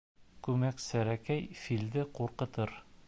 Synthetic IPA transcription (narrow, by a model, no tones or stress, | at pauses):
kʉmæksæɾækæjfild̪ɘquɾqɤ̆t̪ɤɾ